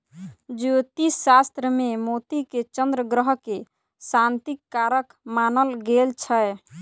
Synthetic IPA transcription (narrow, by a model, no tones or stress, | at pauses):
d͡ʒut̪isast̪ɾəmemot̪iket͡ʃənd̪ɾəɡɾəɦke | sant̪ikːaɾək | manəlɡelt͡ʃʰəj